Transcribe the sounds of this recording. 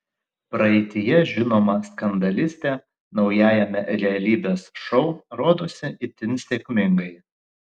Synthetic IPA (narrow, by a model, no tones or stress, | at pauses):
pɾɐɛɪt̪ʲɪjɛʒʲɪnoːmɐskɐnd̪ɐlʲɪsʲt̪ʲe | nɒʊjæːjɛmʲɛɾʲɛɐlʲiːbʲeːsʃɔʊɾoːd̪oːsʲɪɪt̪ʲɪnʲsʲeːkʲmʲɪŋɡɐɪ